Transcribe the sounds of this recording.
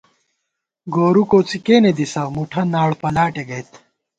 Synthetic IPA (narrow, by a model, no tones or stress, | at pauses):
ɡoːɾukoːt͡sikeːned̪isɐʁmuʈʰɐnaːɽpɐlaːʈeɡɐjt̪